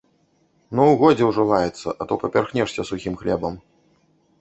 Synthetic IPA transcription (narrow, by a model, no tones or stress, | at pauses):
nɔwɣɔd͡zʲɛwʐɨlˠajɛt̪sːɐ̰ʔɐt̪ɔpɐpʲarxnʲɛʂsʲɐsuxʲimxlʲɛbɐm